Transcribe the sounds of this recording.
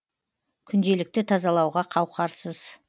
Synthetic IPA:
kʲʰʏnd̪e̞lɪk̚t̪ɪt̪ʰɑzɑlˠɑwʁɑqʰɑwqɑɾsəz̥

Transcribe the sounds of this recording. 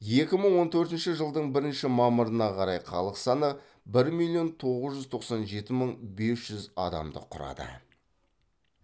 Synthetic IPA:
je̞kʲɪməɴwo̞nt̪ʰɵɾt̪ɪnʃɪʒəlˠd̪əɴbɪɾɪnʃɪmɑməɾənɑqʰɑɾɑjqʰɑ̰lˠəqsɑnə | bɪɾmilʲːˠijo̞nt̪ʰo̞ʁəzʒʏzt̪ʰo̞qsɑnʒe̞t̪ɪməɴbe̞sʒ̥ʏzɑ̰d̪ɑ̰md̪ə̰qʰʊɾɑ̰d̪ə̰

